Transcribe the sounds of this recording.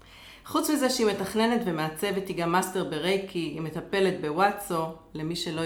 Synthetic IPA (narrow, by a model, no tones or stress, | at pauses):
χut͡smize̞ʃeime̞t̪aχne̞net̪vemeat͡sevet̪iɡamːast̪e̞ʁbeʁejkʰiime̞t̪ape̞le̞t̪̚bewatt͡sole̞miʃe̞lo